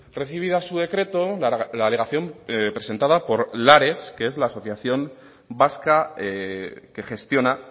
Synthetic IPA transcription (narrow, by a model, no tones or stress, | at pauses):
re̞θiβ̞iðasuðe̞kɾe̞t̪o̞laːle̞ɣaθjo̞mpɾe̞se̞nt̪aðapo̞ɾlaɾe̞skee̞zlaːso̞θjaθjo̞m | baska | ke̞xe̞st̪jo̞na